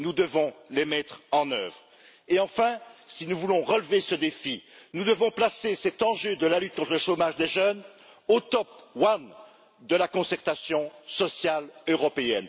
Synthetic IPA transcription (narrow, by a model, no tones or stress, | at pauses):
nud̪əvɔ̃lemɛt̪χɑ̃nœvʁ | eɑ̃fɛ̃sinuvulɔ̃ʁəlvesəd̪efinud̪əvɔ̃plasesɛt̪ɑ̃ʒød̪əlalyt̪̚kɔ̃t̪χələʃomaʒd̪eʒœn | ot̪ɔp̚wan | d̪əlakɔ̃sɛʁt̪asjɔ̃sɔsjaløʁɔpeɛn